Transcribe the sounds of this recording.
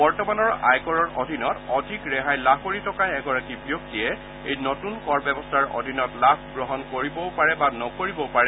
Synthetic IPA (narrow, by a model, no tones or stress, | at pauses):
bɔɹtɔmanɔɹa̰jkɔɹɔɹodʱinɔtɔdʱikɹɛɦajlabʱkoɹitʰɔkajɛɡɔɹakibjok̚tijɛ | ejnotunkɔɹbɛbɔstʰaɹɔ̰dʱinɔtlabʰʱɡɹɔɦɔnkoɹibɔwpaɹɛbanɔkoɹibɔpaɹɛ